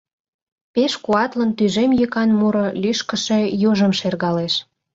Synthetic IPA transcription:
peʃkuɑt̪lənt̪yʒemjøkɑnmuɾŏlʲyʃkə̆ʃe̽joʒəmʃerɣɑleʃ

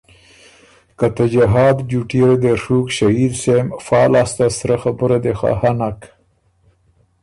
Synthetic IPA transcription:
kat̪ad͡ʒaɦɑːd̪d͡ʒuʈiɾed̪eʂukʃaid̪semfɑːlɑst̪asɾaxabʊɾad̪exa̰hanak

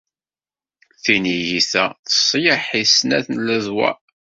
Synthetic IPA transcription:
θinijiθæθə̥sˤːjəħisnæ̰θnlæðwæ̰

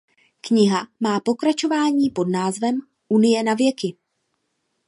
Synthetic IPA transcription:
kɲɪɦamaːpo̞kɾat͡ʃo̞vaːɲiːpo̞dnaːzvɛm | ʔunɪjɛnavjɛkɪ

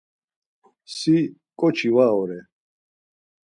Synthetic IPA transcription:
si | kʼɔt͡ʃʰivaɔɾɛ

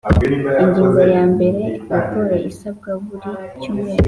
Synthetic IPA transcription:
eɲɡiːŋɡojaːmbe̞ɾe̞βakoɾeʔisab̚ɡaβuɾit͡ʃume

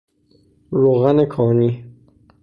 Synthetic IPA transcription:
ɾoːɣænekʰɒːni

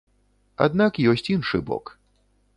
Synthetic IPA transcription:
a̰d̪nakjɔsʲt͡sʲinʂɨ̰bɔ̰k

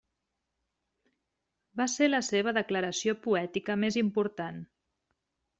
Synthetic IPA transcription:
baseləseβ̞əðəkləɾəsiopuɛt̪ikəmezimpuɾt̪an

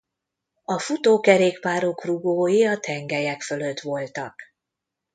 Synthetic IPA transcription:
ɒfut̪oːkɛɾeːkpaːɾo̞kruɡoːjiɒt̪ɛŋɡɛjɛkfø̞lø̞t̪ʋo̞lt̪ɒk

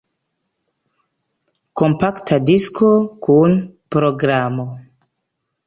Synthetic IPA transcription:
ko̞mpaktʰadisko̞kunpɾo̞ɡɾamo̞

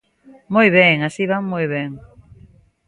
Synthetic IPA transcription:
mojβeŋasiβaŋmojβeŋ

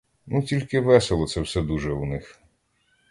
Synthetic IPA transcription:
nutʲilʲkɪʋɛselˠɔt̪sɛwsɛd̪uʒɛunɪx

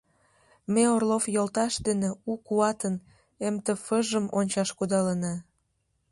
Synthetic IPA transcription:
meorlofjolt̪ɑʃd̪eneukuɑt̪ən | emt̪əfəʒəmonʲt͡ɕɑʃkud̪ɑlənɑ

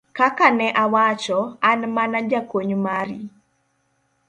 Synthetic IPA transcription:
kakanɛʔawat͡ʃɔanmanad͡ʒakoɲmaɾḭ

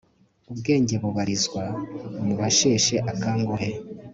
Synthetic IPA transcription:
ubɡe̞ːɲɟe̞βuβaɾizɡwamuβaʃe̞ːʃe̞ʔakaːŋɡoɦe̞

